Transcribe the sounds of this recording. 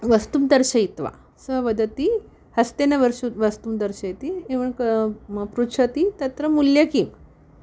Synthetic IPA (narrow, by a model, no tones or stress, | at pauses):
ʋəst̪umt̪əɾɕəit̪ʋa̰ | səʋəd̪ət̪i | həst̪enaʋəɾɕuʋəst̪umt̪əɾɕəjt̪ieʋəɳkəpɾut͡ʃʰət̪it̪ət̪ɾəmuljakim